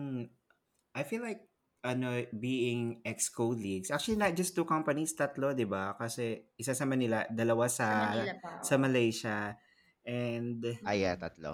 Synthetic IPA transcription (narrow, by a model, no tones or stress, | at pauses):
m̩ | ʔajfilːajk̚ | ʔɐnobiːɪŋʔɛkskoliɡsʔak̚t͡ʃʊɐlinɐt̪̚d͡ʒɐst̪ːukɐmpɐnist̪ɐt̪lo̞d̪ɪbakɐsɛʔɪsasɐmɐnɪlɐd̪ɐlɐwasɐ | sɐmɐlejʃɐ | ʔɛnd̪ajat̪ɐt̪lo̰